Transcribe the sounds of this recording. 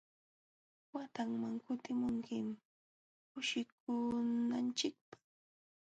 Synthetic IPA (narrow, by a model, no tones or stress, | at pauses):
wat̪aŋmaŋkʊt̪ɪmʊŋkɪm | kʊʃɪk̚ʊnant͡ʃɪk̚pḁ